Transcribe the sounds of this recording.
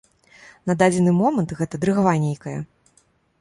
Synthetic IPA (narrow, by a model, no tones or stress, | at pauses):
nɐd̪ad͡zʲɛnɨmɔmɐnt̪ɣɛt̪ɐd̪ɾɨɣavanʲejkɐjɐ